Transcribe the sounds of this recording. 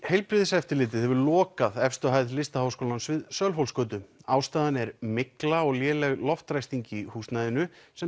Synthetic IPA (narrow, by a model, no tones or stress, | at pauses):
hejlpɾɪːðɪsɛft̪ɪɾlɪːt̪̬ɪðhɛvʏɾlɔːkaðɛfst̪ʏɦajðlɪst̪ahawskowlansvɪðsœlfowlskœːt̪̬ʏaːwst̪aːðanɛɾmɪklaɔɣljɛːlɛɣlɔft̪ɾajst̪iɲcɪihuːst̪najðɪnʏsɛ